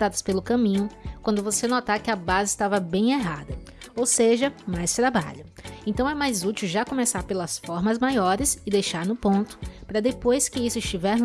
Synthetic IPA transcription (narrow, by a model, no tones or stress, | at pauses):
ad̪ɐspelʊkɐ̃mĩɲʊkwɐ̃nd̪ʊvosenɔt̪aɾkɪɐbazɪst̪avɐbẽj̃eɦad̪ɐ | owseʒɐmajst̪ɾaba̰ʎʊẽnt̪ɐ̃w̃ɛmajzut͡ʃiwʒakõmesaɾpelɐsfɔɾmɐzmajɔɾɪsɪd̪ejʃaɾnʊpõnt̪ʊ̥pɾɐd̪epojskɪisʊɪst͡ʃivɛɾ